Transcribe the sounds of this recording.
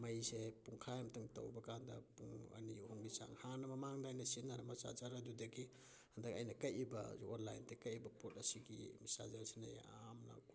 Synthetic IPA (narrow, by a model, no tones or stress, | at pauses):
mɐjsepuŋkʰajamtɯŋtɐ̰wbɐkandɐpuŋɐ̰nihoŋbisa̰ŋhanɐmɐmaŋdajnɐsinɐɾamasa̰zaɾadudɐɡi | hɐndɐkɐjnɐkɐjibɐ̰zuonlajntekɐjibɐpotɐsiɡḭmisa̰zaɾsinaja̰mna̰k